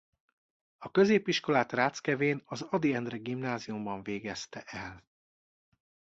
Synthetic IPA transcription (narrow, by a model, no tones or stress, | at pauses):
ɒkø̞zeːpiʃko̞laːt̪raːt̪skɛveːnɒzɒd̪iɛnd̪rɛɡimnaːzijumbɒɱveːɡɛst̪ɛʔɛl